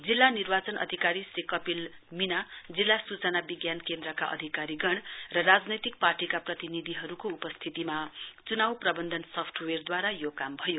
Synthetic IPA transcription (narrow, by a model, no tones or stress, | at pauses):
d͡zilːanirbat͡sʌnʌ̰d̪ʱikaɾisrikʌpilminad͡zilːasut͡sʌnabiɡjankend̪rʌka̰ʔʌ̰d̪ʱikaɾiɡʌɳ̃rʌrad͡znʌjt̪ik̚parʈikaprʌt̪inid̪ʱiɦʌɾukoupʌst̪ʰit̪imat͡sunawprʌbʌnd̪ʱʌnsʌpʰʈʰwerd̪waɾajokambʱʌjo